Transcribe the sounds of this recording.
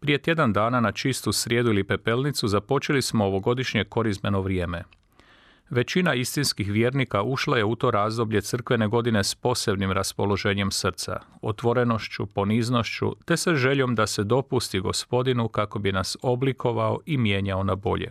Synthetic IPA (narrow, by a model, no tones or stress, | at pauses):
pɾije̞t̪je̞d̪and̪aːnanat͡ʃist̪usɾjeːd̪uilipe̞pe̞lnit̪suzapo̞t͡ʃelismo̞ːʋo̞ɡo̞d̪iʃɲe̞ko̞ɾizme̞noʋɾje̞ːme̞ | ʋe̞t͡ɕinaist̪inskixʋjeːɾnikaʔuʃlˠaje̞ut̪o̞ːɾaːzd̪o̞bʎe̞t̪sər̩kʋene̞ɡo̞d̪ine̞spo̞se̞bnimɾaspo̞lo̞ʒe̞ːɲe̞msr̩t̪sa̰o̞̰t̪ʋo̞ɾe̞no̞ʃt͡ɕṵpo̞niːzno̞ʃt͡ɕṵt̪e̞saʒe̞ʎo̞md̪ase̞d̪o̞pust̪iɡo̞̰spo̞d̪inukako̞binaso̞blikʰo̞ʋao̞̰ʔimje̞ːɲao̞nabo̞̰ʎḛ